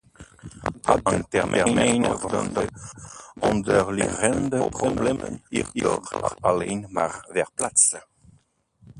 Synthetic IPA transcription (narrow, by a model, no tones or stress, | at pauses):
dabɑŋt̪ɛʁmʔɛʁjmejnəvd̪ɔ̰nd̪ə | ɔ̃nd̪əʁliʁɛnd̪əpʁoblɛmə̰niʁiʁa̰alejnmaʁvɛʁplas